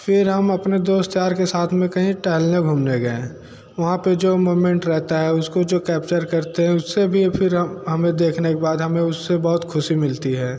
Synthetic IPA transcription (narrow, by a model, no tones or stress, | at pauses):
fɪɾɦɐmɐpned̪oːst̪jaːɾkesaːt̪ʰmẽkɐɦĩʈɛːlnẽɡʱuːmneɡɐḛ̃ | ʋɐɦãped͡ʒoːmoːmẽɳʈɾɛɦt̪aɦɛʊskod͡ʒoːkɛːpt͡ʃəɾkɐɾt̪eɦɛ̃ʊsːebʱifʰɪɾɦɦɐmẽd̪eːkʰnekebaːd̪ɦɐmẽʊsːebɐɦʊt̪kʰʊʃimɪlt̪iɦɛː